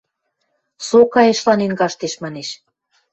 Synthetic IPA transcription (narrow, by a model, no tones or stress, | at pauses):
sokɑjeʃlɑnenɡɑʃt̪eʃmɑneʃ